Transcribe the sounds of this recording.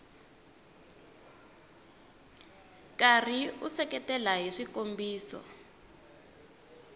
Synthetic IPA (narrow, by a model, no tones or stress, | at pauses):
kar̤iusɛkɛtɛlaɦiʂikombiːsɔ̰